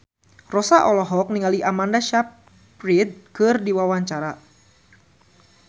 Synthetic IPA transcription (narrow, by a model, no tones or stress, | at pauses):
rɔsaʔɔlɔɦɔk̚niŋaliʔamandaʃap̚ | rid̪̚kɨrdiwawaɲt͡ʃaɾa